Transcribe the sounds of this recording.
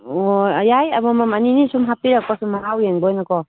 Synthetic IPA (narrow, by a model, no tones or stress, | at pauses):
ojajajamamamaninisumɦapiɾak̚pasumːaŋawjeŋbɔjnakɔ